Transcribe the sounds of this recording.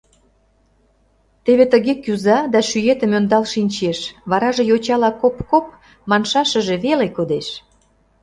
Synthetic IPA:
t̪eβet̪əɣekyzɑd̪ɑʃyjet̪ə̆mønd̪ɑlʃinʲt͡ɕeʃβɑɾɑʒĕjot͡ɕɑlɑkopkop | mɑnʃɑʃə̆ʒe̽βelekod̪eʃ

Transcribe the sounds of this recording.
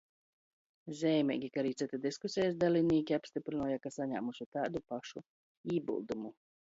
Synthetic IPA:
zʲɛjmʲɛ̰ːɡʲikaɾiːt̪sɨt̪ad̪iskusʲɛjasd̪alʲiniːkʲiapst̪ipɾinuːjakasaɲa̰ːmuʃut̪aːd̪upaʃu | iːbṵlˠd̪umu

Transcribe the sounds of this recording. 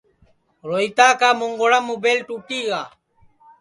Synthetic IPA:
ɾoit̪aːkaːmuŋɡoɽamubelʈuːʈiːɡaː

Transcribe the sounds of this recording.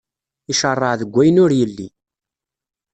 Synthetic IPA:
iʃərˤːəʕðəɡʷːæjənʊɾjəlːi

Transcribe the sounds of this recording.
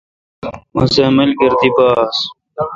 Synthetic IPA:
mɐ̰zɐmɐlɡɐɾd̪ibaːs

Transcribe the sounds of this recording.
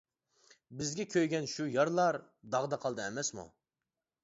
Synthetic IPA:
bɪzɡʲɛkʲʰøjɡʲɛnʃujɑɾlˠɑɾ | d̪ɑʁd̪ɑqʰɑlˠd̪ɨɛmɛsmṵ

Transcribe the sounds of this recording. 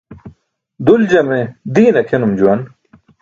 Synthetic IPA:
d̪uld͡ʑɐmed̪iːnɐkʰenumd͡ʑuwɐn

